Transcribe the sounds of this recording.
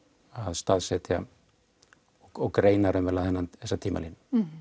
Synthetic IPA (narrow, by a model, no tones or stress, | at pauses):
aðst̪aːðsɛt̪ja | ɔɔɣkɾeːjnaɾʏmvɛlaðhɛnːanθɛsːat̪ʰiːma̰linː